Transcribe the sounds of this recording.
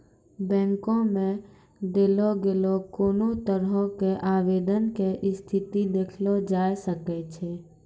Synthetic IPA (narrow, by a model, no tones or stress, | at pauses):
bɛ̃ːŋkõmẽ | ɖ̪eloɡelokoːnot̪əɾɦõkeʔaːʋeːd̪ənkeʔɪst̪ʰɪt̪id̪eːkʰlod͡ʒaːjsəkɛt͡ʃʰe